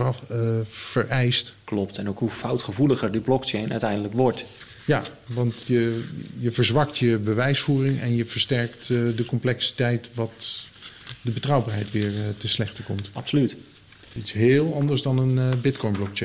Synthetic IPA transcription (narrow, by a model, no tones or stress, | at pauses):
fəɹʔɛjstklɔptɛnowkɦufʌwtχəvuləχəɹdiblɔkt͡ʃejnœ̰ɥtɛjndələkʋɔɹt | ja | ʋɑntjəjəvəɹzʋɑktjəbəʋɛjsfuːrɪŋɛ̰njəv̥əɹstɛɹktdəkɔmplɛksi̥tɛjtʋɑt | dəbətrʌwbaːɹɦɛjtʋɪːɹtənslɛχtəkɔmtɑpsolyt | itsɦɪːlˠɑndəɹsdɑnənbɪtkɔjnblɔk̚t͡ʃen